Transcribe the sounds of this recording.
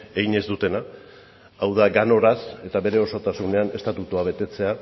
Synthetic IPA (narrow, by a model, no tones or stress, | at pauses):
e̞ɣiɲe̞zd̪ut̪e̞naː | wðaɡano̞ɾase̞t̪aβe̞ɾe̞o̞so̞t̪asune̞ane̞st̪at̪ut̪uaβ̞e̞t̪e̞t͡se̞a